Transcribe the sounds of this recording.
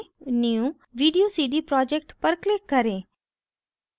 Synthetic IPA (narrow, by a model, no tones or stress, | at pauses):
niũ | ʋiːɖijosiːɖ̪ipɾɔːd͡ʒɛk̚ʈpəɾklɪkːəɾeː